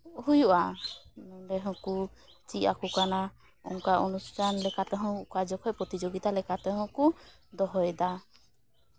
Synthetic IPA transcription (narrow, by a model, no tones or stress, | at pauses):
ɦujuʔa | dɛɦɔ̃kut͡ʃia̰kukana | ɔ̰ŋkaʔɔnust̪ʰanlɛkat̪ɛɦɔ̃ukad͡ʒɔkhɔjpɾɔt̪id͡ʒoɡit̪alɛkat̪ɛɦɔ̃ku | d̪ɔɦɔjɛd̪a